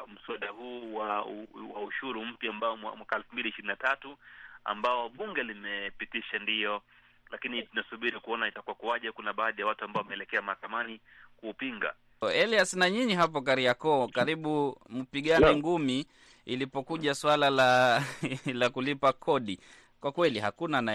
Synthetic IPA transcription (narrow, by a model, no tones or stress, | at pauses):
m̩suaɗahuːwawauʃuɾum̩pjambaɔwmwakaɛlfumbiliʃiɾinatatua̰mbaɔwaɓuŋɡɛlimɛpitiʃandijɔ | lakinitunasuɓiɾikuɔnaitakuwakuwaʄɛkunaɓaːðijawatuambaɔwamɛːlɛkɛamahakamani | kuːpiŋɡa̰ | ɛliasnaɲiɲiɦap̬ɔkaɾiakɔkaɾiɓum̩piɠanɛŋɡumi | ilipɔkuʄaswalala | lakulipakʰɔɗi | kwakwɛlihakunana